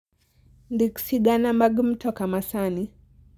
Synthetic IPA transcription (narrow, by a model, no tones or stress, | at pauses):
ndiku̥siɡanamaɡm̩tʰɔkamasani